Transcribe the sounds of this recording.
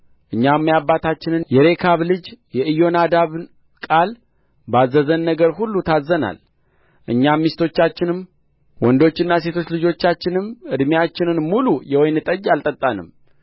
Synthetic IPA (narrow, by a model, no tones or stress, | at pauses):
ʔɨɲːamːjabːat̪ʰat͡ʃːɪnɨnjɛɾe̞kʰaβlɨd͡ʒjɛʔɨjo̞nad̪aβn | kʼal | bazːəzənːəɡəɾhulːut̪ʰazːəna̰l | ʔɨɲːamːist̪ʰo̞t͡ʃːat͡ʃːɪnɨm | wɔnd̪o̞t͡ʃːɪnːase̞t̪ʰo̞t͡ʃːlɨd͡ʒo̞t͡ʃːat͡ʃːɪnɨmʔɨd̪mjat͡ʃːɪnɨnmulujɛwɔjnɨt̪ʼəd͡ʒalt̪ʼət̪ʼːanɨ̰m